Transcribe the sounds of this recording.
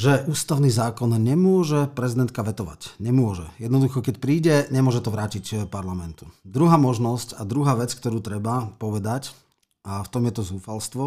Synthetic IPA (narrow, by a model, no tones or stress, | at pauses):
ʒɛʔuːst̪aʊniːzaːkɔnɲɛmʊɔʒɛpɾɛzid̪ɛnt̪̚kaʋɛt̪ɔʋa̰cɲɛmʊɔʒɛ̰jɛd̪nɔd̪uxɔkɛcpɾiːɟɛɲɛmʊɔʒɛt̪ɔʋɾaːcicpaɾlamɛnt̪ud̪ɾuɦaːmɔʒnɔscad̪ɾuɦaːʋɛt͡skt̪ɔɾuːt̪ɾɛbapɔʋɛd̪ac | aft̪ɔmjɛt̪ɔzuːfalst̪ʋɔ